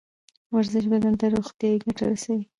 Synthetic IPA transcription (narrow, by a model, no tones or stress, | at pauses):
waɾzɪʃ̬bad̪ant̪aɾoxt̪jɑiɡaʈa̰ɾasawi